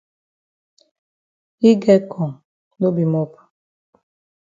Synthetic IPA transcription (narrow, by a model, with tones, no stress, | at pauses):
i˦ɡe˦kʰɔ˨ŋ˨ | no˦bi˨mɔ˦pḁ˨